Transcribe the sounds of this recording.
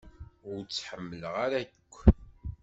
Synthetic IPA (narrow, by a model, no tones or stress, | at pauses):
ʊɾt͡sːħəmːələʁaɾæjəkʷː